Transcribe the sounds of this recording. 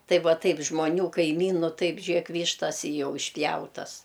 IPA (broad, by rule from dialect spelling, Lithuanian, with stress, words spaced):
ˈtɐɪ ˈʋɐ ˈtɐɪp ʒmoːˈnʲuː kɐɪˈmʲiːnʊ ˈtɐɪp ˈʒʲeːk ˈʋʲiːʃtɐs ɪ ˈjɛʊ ɪʃʲˈpʲjɛʊtɐs